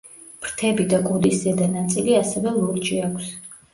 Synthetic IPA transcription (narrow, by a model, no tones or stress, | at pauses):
pɾt̪ʰɛbid̪akʼud̪iszɛd̪anat̪sʼiliasɛvɛlˠɔɾt͡ʃiakʷʰs